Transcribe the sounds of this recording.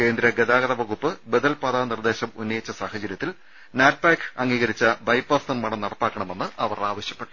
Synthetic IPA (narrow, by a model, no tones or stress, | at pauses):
ke̞ːnd̪ɾɐɡed̪aːɣɐɾɐʋɐɣupːɨbed̪ɐlpɐd̪aːnird̪e̞ːɕɐmunːɐjit͡ɕːɐsaːhɐd͡ʑɐɾjɐt̪ːil | naːʈ̚paːkɐŋːiːɣɐɾit͡ɕːɐbɐjpːɐːst̪ɐnmɐɽɐmnɐɽɐpːaːkːɐɳɐme̞nːɨʔɐʋɐraːʋɐɕjɐpːeʈːu̥